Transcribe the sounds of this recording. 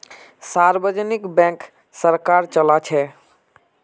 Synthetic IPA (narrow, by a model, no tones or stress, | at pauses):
saɾbəd͡ʒənikbɛ̃k | səɾkaɾt͡ʃəlat͡ʃʰɛ